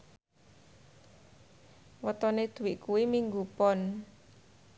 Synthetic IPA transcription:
wət̪ɔned̪̥ṳwiʔkuwimiŋɡupɔn

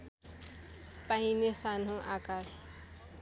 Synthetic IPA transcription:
paimesan̤õʔakaɾ

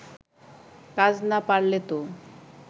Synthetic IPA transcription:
kad͡ʑnapaɽlet̪o

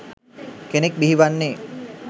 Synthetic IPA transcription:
kenek̚biɦiʋanːeː

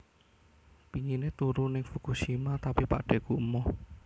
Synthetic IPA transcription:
piɲinet̪uɾunɪŋfukuʃimat̪apipa̰ʔɖ̥ɛ̤kuʔmɔ

